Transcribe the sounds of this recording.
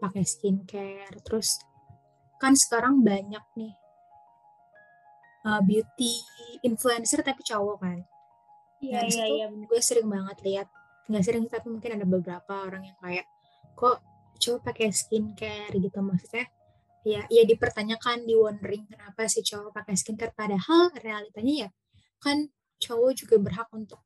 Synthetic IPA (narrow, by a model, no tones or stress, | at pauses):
pakɛskinkɛrt̪əɾʊs | kansə̥kaɾaŋbaɲak̚nɪh | əbiut̪iːnfluɛnsərt̪apit͡ʃawɔkan | jasɡuasəɾɪŋbaŋət̪liat̪̚ | ŋɡaʔs̬əɾɪŋt̪apimuŋkɪnadabəbəɾapaoɾaŋjaŋkajat̚ | kɔʔ | t͡ʃawapakɛskinkərɡit̪umaksu̥kah | jaʔjadipərt̪aɲakandiwɔndɾɪŋkənapasɪht͡ʃawapakɛskinkərpadahalrealit̪aɲaja | kan | t͡ʃawɔd͡ʒuɡabərɦak̚unt̪ʊk̚